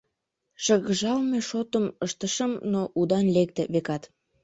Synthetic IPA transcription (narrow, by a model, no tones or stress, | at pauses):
ʃəɣəʒɑlmeʃot̪əməʃt̪əʃəmnoʔud̪ɑnlek̚t̪ĕβekɑt̪